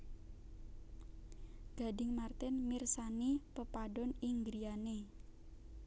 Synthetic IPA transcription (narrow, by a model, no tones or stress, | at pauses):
ɡ̥a̤dɪŋmart̪ɪnmirsanipəpaɖɔniŋɡɾiane